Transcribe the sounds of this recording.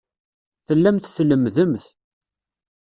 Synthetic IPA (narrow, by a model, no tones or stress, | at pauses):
θəlːæmθθləmðəmθ